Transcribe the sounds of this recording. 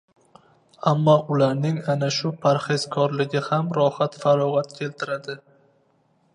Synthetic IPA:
amːɒʊlaɾnɪŋanaʃʊpʰaɾhezkʰɒɾlɪɡʲɪhamɾɒhat̪faɾɒʁat̪kʲʰe̞lt̪ʰɪɾad̪ɪ

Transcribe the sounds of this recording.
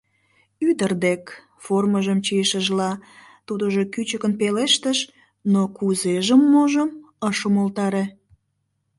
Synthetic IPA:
yd̪ərd̪ek | forməʒəmt͡ɕijəʃəʒlɑ | t̪ud̪əʒokyt͡ɕəkənpeleʃt̪əʃ | nokuzeʒəmːoʒəm | əʃəmolt̪ɑɾe

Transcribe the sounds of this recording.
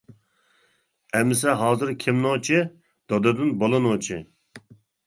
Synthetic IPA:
ɛmːɪsɛɦɑːzɨɾkʲʰɪmnot͡ʃʰɨ | d̪̥ɑd̪ɨd̪ɨnbolˠɨnot͡ʃʰɨ

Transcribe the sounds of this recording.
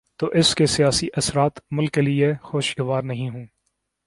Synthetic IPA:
t̪oːʔɪskesijaːsiʔɐsɾaːt̪mʊlkːeliexoːʃɡɐʋaːɾnɐɦĩɦũː

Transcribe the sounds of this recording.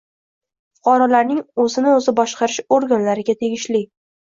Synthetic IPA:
fʊ̥qʰɑɾɒlaɾnɪŋɵzɪnɪɵzɪbɒʃqɑɾɪʃoɾɡʲanlaɾɪɡʲat̪ʰe̞ɡʲɪʃlɪ

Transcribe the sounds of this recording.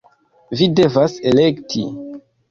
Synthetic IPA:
vide̞vase̞le̞ktʰḭ

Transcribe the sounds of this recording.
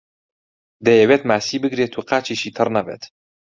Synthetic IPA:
d̪ejewet̪maːsiːbɨɡɾeːt̪ʰuːqaːt͡ʃiʃiːt̪ʰɨrnɐbḛːt̪

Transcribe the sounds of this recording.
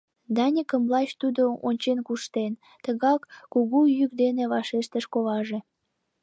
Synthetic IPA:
d̪ɑnʲikəmlɑt͡ɕt̪ud̪oonʲt͡ɕenkuʃt̪en | t̪əɣɑkːuɣujykd̪eneβɑʃeʃt̪əʃkoβɑʒe

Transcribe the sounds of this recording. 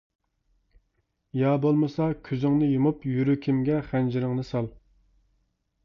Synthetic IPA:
jɑbolˠmɨsɑkʲʰyzɪŋnɨjumupjyɾykʲʰimɡʲɛχænd͡ʒiɾɪŋnɨsɑlˠ

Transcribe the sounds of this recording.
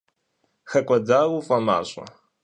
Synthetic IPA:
xɐkʷʼɔdaːwufʼɐma̰ːɕʼɐ̰

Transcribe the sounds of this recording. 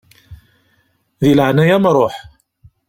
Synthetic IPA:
ðiləʕnæjæmɾˤoħ

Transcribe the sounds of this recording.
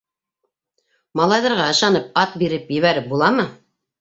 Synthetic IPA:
mɑlˠɑjðɤ̆ɾʁɑɤ̆ʃɑnɤp̚ɑt̪̚biɾɘpjɘ̆βæɾɘp̚bulˠɑmɤ

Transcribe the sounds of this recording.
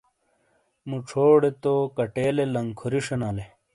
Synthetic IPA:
muʈ͡ʂʰoːɽet̪okɐʈeːlelɐŋkʰoɾiʂɐnaːle

